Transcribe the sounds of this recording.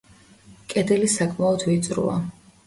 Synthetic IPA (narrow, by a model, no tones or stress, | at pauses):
kʼɛd̪ɛlisakʼmaɔd̪vit̪sʼɾṵa̰